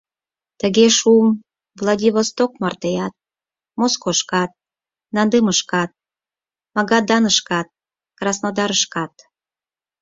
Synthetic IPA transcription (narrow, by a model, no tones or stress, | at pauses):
t̪əɣeʃum | vlˠɑdʲiβost̪ok̚mɑrt̪ejɑt̪̚ | moskoʃkɑt̪̚ | nɑnd̪eməʃkɑt̪̚ | mɑɣɑd̪ɑnəʃkɑt̪̚ | krɑsnod̪ɑɾəʃkɑt̪